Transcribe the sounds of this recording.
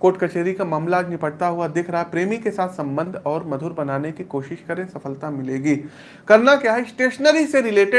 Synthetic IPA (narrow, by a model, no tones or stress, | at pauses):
koːʈkɐt͡ʃeːɾikamaːmlaːd͡ʒnɪpəɽt̪aɦuad̪eːkʰɾɐɦapɾeːmikesaːt̪ʰsɐ̃mbə̃nd̪ʱɔːɾmɐd̪ʱʊɾbɐnaːnekikoːʃɪʃkɐɾẽsɐfəlt̪amɪleːɡiː | kɐɾnakjaːɦɛsʈeːʃnəɾiseɾɪleːʈɪ